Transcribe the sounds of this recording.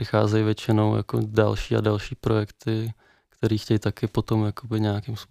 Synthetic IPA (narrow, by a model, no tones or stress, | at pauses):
ɪxa̰ːzɛjvjɛt͡ʃɪno̞wja̰ko̰dalʃiːa̰dalʃiːpɾo̞jɛkt̪ɪ | kt̪ɛɾiːxcɛjt̪akɪpo̞t̪omjakobɪɲɛjakɪms